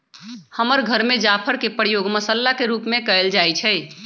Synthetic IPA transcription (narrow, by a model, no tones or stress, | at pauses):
həməɾɡʱəɾmed͡ʒapʰəɾkepəɾjoɡməsəlːakeɾupmekəld͡ʒajt͡ʃʰɛj